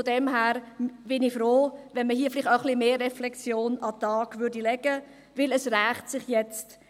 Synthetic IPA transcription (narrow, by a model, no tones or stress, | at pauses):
fɔdɛmɦæːɾb̥ɪnifɾoːʋɛnməhiəflɪχtaəχlimeːrɛflɛksjoːnɑt̪ɑːɡ̥vʏɾdilɛɡə | ʋɪləsræːχtsɪχjɛt͡st